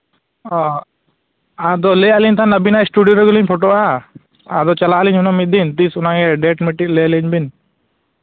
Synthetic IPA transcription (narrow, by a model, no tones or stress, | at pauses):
ɔ | ad̪ɔlɛjaliɲt̪ʰanːəbinasʈuɖijoɾɛɡuliɲpʰɔʈoʔa | a̰d̪ɔt͡ʃalaliɲɦunɔmit̪̚d̪int̪isunaɡɛɖɛʈmiʈːik̚lɛjaliɲbin